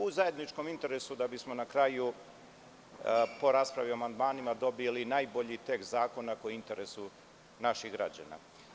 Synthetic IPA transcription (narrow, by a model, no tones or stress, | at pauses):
uzaje̞d̪nit͡ʃko̞mint̪e̞ɾesud̪abismo̞nakɾaju | po̞ɾaːspɾaʋioamand̪maːnimad̪o̞bilinaːjbo̞ʎit̪ekt̪zaːko̞nːako̞int̪e̞ɾesu | naʃiɣɡɾa̰d͡ʑa̰na̰